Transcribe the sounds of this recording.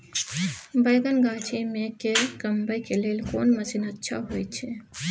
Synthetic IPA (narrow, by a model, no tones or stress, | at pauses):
bəjɡənɡat͡ʃʰimẽkekəmbəjkelelkoːnməsinətːʃʰa̰ɦojt̪t͡ʃʰe